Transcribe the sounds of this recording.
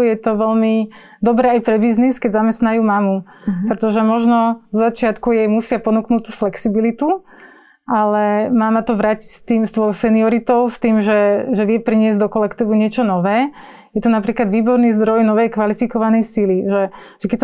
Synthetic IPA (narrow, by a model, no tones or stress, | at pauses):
jɛt̪ɔʋɛlmi | d̪ɔbɾɛːajpɾɛbizniskɛɟzamɛst̪najuːmamupɾɛt̪ɔʒɛmɔʒnɔzzat͡ʃɪat̪kujɛjmusɪapɔnuknuːtt̪ːuːflɛksibilit̪u | ʔalɛmaːmat̪ɔʋɾaːcicst̪iːmst̪ʋɔjɔsɛniɔɾit̪ɔʊst̪iːmʒɛʒɛʋɪɛpɾiɲɪɛzɟd̪ɔkɔlɛkt̪iːʋuɲɪɛt͡ʃɔnɔʋɛː | jɛt̪ɔnapɾiːklad̪ʋiːbɔɾniːzd̪ɾɔjnɔʋɛjkʋalifikɔʋanɛjsiliʒɛ | ʒ̥ɛkɛs